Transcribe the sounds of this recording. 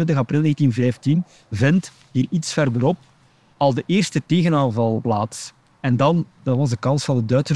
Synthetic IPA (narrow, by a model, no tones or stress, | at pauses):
ɪntəɣɑprɪlˠneːɣəntinvɛːftin | vɛnt | ɦiːritsfɛrdəɾɔp̚ | ɑlˠdəʔeːrstəteːɣənaːnvɑlˠplaːts | ɛndɑnd̥ɑtʋɑzdəkɑnsfɑndədœːtsə